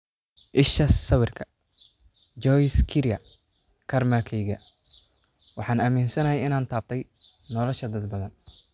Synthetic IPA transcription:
ʔɪʃɐsɐwɪrkʰɐ | d͡ʒɔjskʰɪɾjɐ | kʰɐrmɐkʰɛjɣɐ | wɑħɑːnɐmiːnsɐnɐjɛjɪnaːnt̪ʰaːb̚t̪ʰɛj | nɔlɔʃɐd̪ɐd̪̚bɐðɐn

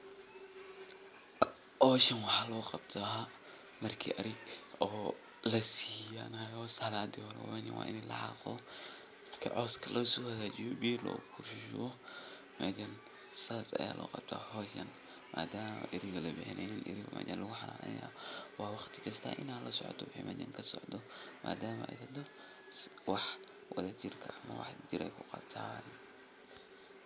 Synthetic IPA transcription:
hɔːʃɐnwɑħaːlɔːqɑbt̪ʰɔa | mɐrkʰḭːʔɐɾɪɡɔː | lɐsiːjanajɔsɐlaːd̪ɪhɔɾɛ̰wɛnɛwa̰ːʔɪnɛlɐ̰ʕɑ̰qɔ | kʰɐʕɔːskʰɐlʔɐsɔːhɐɣaːd͡ʒɪjɔbiːlɔ̰ːkʰʊɾʃʃɔ | mad͡ʒɐn | saːsɐjaːlʔɔːqɑb̥̚t̪ʰa̰ːhɔːjkɐn | maːd̪aːmɐ̰ʔɪɾɪɣɐlɐbɛħɪnʔɛninʔɪ̰ɾɪɣɔmʔa̰ːd͡ʒɐnlɐɣʊħɑlaːlɐ̰ja̰ːwɑːwɑχt̪ʰɪ̥kʰɐst̪ʰa̰ːʔɪnaːlɐsɔʕɔ̰t̪ʰɔwɪħḭmʔɛd͡ʒɐ̰ŋkʰɐsɔʕd̪ɔmʔaːd̪aːmɐʔɛ̰jt̪ɐd̪ɔ | swɑħ | wɐðɐt͡ʃɪrkʰɐɐmɐ̰wɑ̰ħd͡ʒɪɾʔɛjkʰʊqɑb̚t̪ʰan

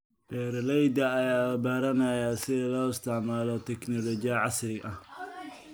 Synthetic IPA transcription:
b̥ɛːɾlɛjd̪ɐːjaːɐbaːɾɐnɐjasɪðɐlɔːɪst̪ʰɪʕmaːlɔt̪ʰɛknɔlɔt͡ʃɪɐʕɑsrɪɡʔɐh

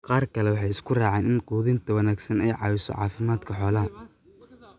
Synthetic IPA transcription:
qɑːrkʰɐlɛwɑħɑjɪskʰʊraːʕɛːnɪnquːðɪnt̪ʰɐwɐnaːɡsɐnɛjʕɑ̰ːwɪsɔ̰ʕɑ̰ːfɪmaːd̪kʰɐħɔːlɐɦɐ

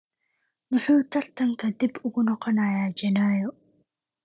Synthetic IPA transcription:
nʊħuːt̪ʰɐrt̪ʰɐŋkʰɐd̪ibʊɣʊnɔqɔnaːjaːd͡ʒɛnaːjɔ

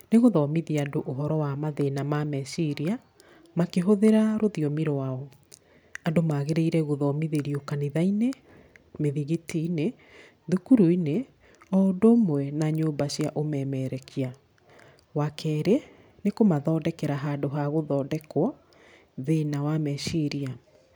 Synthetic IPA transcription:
neɣoðɔmiðiadoʔoɦɔɾɔwamaðenamamɛsiɾia | makeɦoðeɾaɾoðiɔmiɾoaɔ | adomaɣeɾeiɾɛɣoðɔmiðeɾiokaniðaine | meðiɣitʰine | ðukuɾuine | ɔdomwɛnaɲoːmbaɕiaʔomɛmɛɾɛkʰia | wakʰɛːɾe | nekomaðɔːdɛkɛɾaɦadoɦaɣoðɔːdɛkwɔ | ðenawamɛʃiɾia

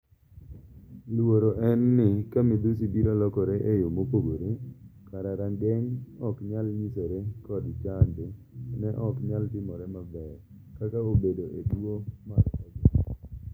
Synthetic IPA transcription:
lwoɾoʔɛnːɪkamid̪us̬ibiɾɔlɔkɔɾeʔejomopoɡoɾekaɾaɾaŋɡeŋɔkɲalɲisoɾekɔdt͡ʃande | nɛʔɔkɲaltɪmɔɾɛmabɛɾ | kataobedoʔedwomaɾkad͡ʒo

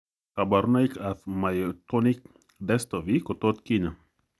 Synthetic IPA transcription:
kabaɾnajkaθmajot̪onik̚ | d̪ɛst̪ovikot̪ot̪kina

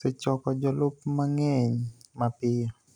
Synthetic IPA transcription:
sot͡ʃɔkɔd͡ʒɔlʊpmaŋɛɲmapɪjo

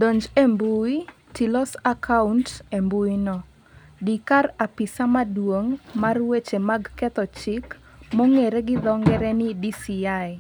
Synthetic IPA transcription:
dɔɲd͡ʒembui | tilɔsakʰauntembuinɔ | dikarapɪsamadwoŋmarwet͡ʃemaɡkɛt̪ɔt͡ʃɪk | mɔŋeɾeɡɪd̪ɔŋɡɛɾɛnɪdisiaɪ

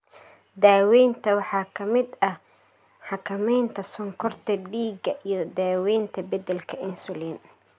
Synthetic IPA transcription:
d̪aːwɛjnt̪ʰɐwɑħɑːkʰɐmɪd̪ɐ | ħɑkʰɐmɛjnt̪ʰɐsɔŋkʰɔrt̪ʰɐɖiːɡɐʔijɞd̪aːwɛːjnt̪ʰɐbɐd̪ɛlkʰɐʔɪnsʊliːn

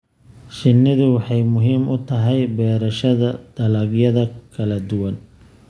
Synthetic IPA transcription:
ʃɪnːɪðʊwɑħɑjmʊɦiːmʔʊt̪ʰɐɦɛjbɛːɾɐʃɐðɐd̪̥ɐlɐɡjɐðɐkʰɐlɐd̪ʊwɐn

